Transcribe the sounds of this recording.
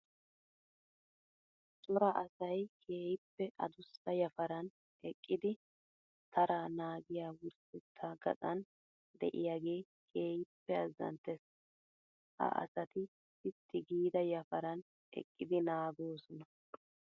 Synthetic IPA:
sʼʊɾɐʔɐsɐjkʰeːjɪpːɛʔɐ̰d̪ʊsɐjɐfɐɾɐn | ɛkʼːɪd̪ɪ | t̪ʰɐɾanaːɡɪjaːwʊɾsɛt̪ʰːaɡɐ̰t͡sʼɐn | d̪ɛ̰ʔɪjaːɡe̞ː | kʰe̞ːjɪpːɛɐzːɐ̰nt̪ːɛs | hɐ̰ʔɐ̰sɐt̪ɪ | ɪt̪ʰːɪɡiːd̪ɐjɐfɐɾɐn | ɛ̰kʼːɪd̪ɪnaːɡoːsɔnɐ

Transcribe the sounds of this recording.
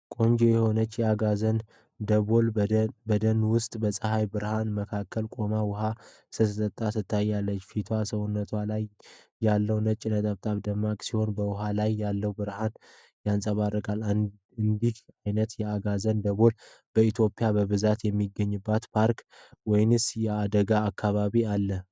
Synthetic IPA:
kʼo̞ɲd͡ʒejɛho̞nət͡ʃːjɛaɡazən | d̪əβolbəd̪ənwʊst̪ʼbəsʼəhajbɨɾhanməkʰakʰːəlkʼo̞mawʊɦa | sɨt̪ʰət̪ʼət̪ʼːat̪ɨt̪ʰːajːalːət͡ʃːfit̪ʰwasəwʊnːət̪ʰwalajː | alːəwnət͡ʃʼɪnət̪ʼaβt̪ʼaβd̪əmːakʼsiho̞nbəwʊɦalajːalːəwbɨɾhan | jansʼəβarːəkʼal | ɨnd̪ihajnət̪jɛaɡazənd̪əβo̞l | b̥əit̪ʰjo̞pʼjabəβɨzat̪jɛmːiɡːəɲːɨbːat̪pʰaɾkwɔjɪnɨsjɛad̪əɡaːkʰːaβaβialːə

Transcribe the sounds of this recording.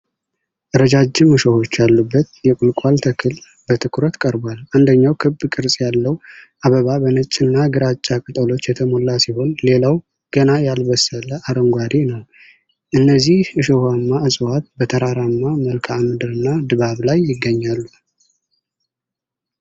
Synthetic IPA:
ʔɨɾəd͡ʒad͡ʒɪmɨʃoho̞t͡ʃːjalːubːət̪jɛkʼʊlkʷʼalt̪ʰəkʰɨl | bət̪ʰɨkʰuɾət̪kʼəɾbaland̪əɲːawkʰɨbːkʼɨɾsʼjalːəwʔaβəβabənət͡ʃʼːɨnːaɡɨɾat͡ʃʼːakʼɨt̪ʼəlo̞t͡ʃːjɛt̪ʰəmolːasiho̞nle̞law | ɡ̥ənajalbəsələʔaɾəŋɡʷad̪enəw | ʔɨnːəzːihɨʃohamːaɨsʼɨwat̪̚bət̪ʰəɾaɾamːaməlkʰamɨd̪ɨɾɨnːad̪ɨβaβlajːɪɡːəɲːalːu

